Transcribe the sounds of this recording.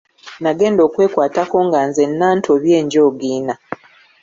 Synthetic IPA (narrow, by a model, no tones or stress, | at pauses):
naɡe̞ːndo̞ːkwe̞ːkwaːtako̞ŋɡanzenːaːntʰoβje̞ːɲɟoːɡiːna